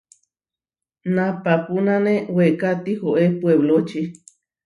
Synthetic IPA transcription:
nãpapunãnẽwekat̪ihoʔepweβlot͡ʃi

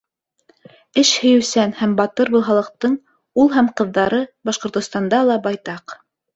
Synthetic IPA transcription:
ɘʃhɵ̆jɵ̆sænhæmbɑt̪ɤɾbɤ̆lˠɦɑlˠɤ̆q̚t̪ɤɴ | ulˠɦæmqɤ̆ðːɑɾɤbɑʃqŏɾt̪ŏst̪ɑnd̪ɑlˠɑbɑjt̪ɑq

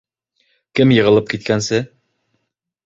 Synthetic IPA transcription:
kɘmjɤ̆ʁɤ̆lˠɤp̚kit̪̚kænsɘ

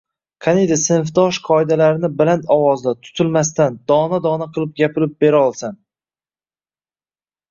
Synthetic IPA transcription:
kʰanejd̪ɪsɪnɪfd̪ɒʃqʰɒɪd̪alaɾɪnɪbɪlant̪ɒwɒzd̪at̪ʰʊ̥t̪ʰɪlmast̪and̪ɒnad̪ɒnaqʰɨlˠɪp̚ɡʲapʰɪlɪp̚be̞ɾaɒlˠsan

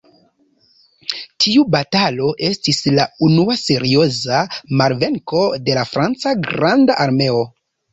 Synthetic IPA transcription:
tʰiubatalo̞ʔe̞stislaunuase̞ɾio̞zamaɾve̞ŋko̞de̞lafɾant͡saɡɾandaʔaɾme̞o̞

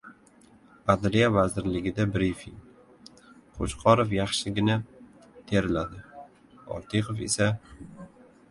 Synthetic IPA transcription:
ad̪ɾijavazɪɾlɪɡʲɪd̪abɾifiŋ | qʰo̰ʃqʰɒɾofjɑχʃɪɡʲɪna | t̪ʰeɾɪlad̪ɪ | ɒ̰ɾt̪ʰeqofe̞̰sa

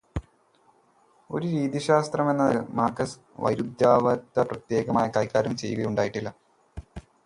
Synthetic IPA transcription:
o̞ɾuɾiːðiɕaːst̪rɐme̞nːɐðɨmaːkːɐs | ʋɐ̰jɾud̪jaːʋɐt̪ːɐprɐt̪je̞ːɡɐmaːjɐkaːjkːaːɾɐmt͡ɕe̞juɣɐjuɳɖaːjiʈːilːɐ

